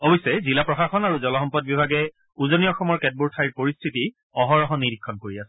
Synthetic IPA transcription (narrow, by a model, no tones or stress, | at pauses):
obɔsɛzilapɹɔxaxɔnaɹuzɔlɔɔmpɔd̚bibʱaɡɛ | uzoniɔxɔmɔɹkɛt̚buɹtʰajɹpoɹistʰiti | ɔɦɔɹɔɦɔniɹikʰːɔnkoɹiasɛ̥